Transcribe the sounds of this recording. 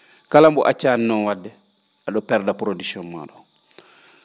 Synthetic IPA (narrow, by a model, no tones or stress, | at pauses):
kalambuʔat͡ʃːaninɔnwadːɛ | ʔaɗɔpɛɾdapɾodisɔnma̰ːɗɔ